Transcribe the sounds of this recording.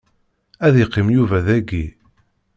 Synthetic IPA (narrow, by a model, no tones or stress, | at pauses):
æðiqːimjuvæðæɡi